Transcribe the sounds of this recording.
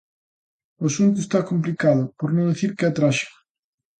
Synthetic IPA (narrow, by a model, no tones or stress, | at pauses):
osunt̪̬uʊest̪akomp̬likaðʊpoɾnõd̪iθiɾkɪat̪ɾaʃḁ